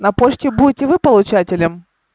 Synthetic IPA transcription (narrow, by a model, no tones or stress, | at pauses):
nɐpot͡ɕkʲɪbudʲɪtʲɪvɨpəlˠʊt͡ɕatʲɪlʲɪm